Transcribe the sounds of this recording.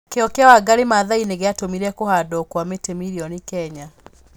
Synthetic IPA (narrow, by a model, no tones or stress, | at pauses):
keɔkeawaɡaɾemaðaineɣeatomiɾɛkohadɔːkwametemiɾiɔnikɛɲa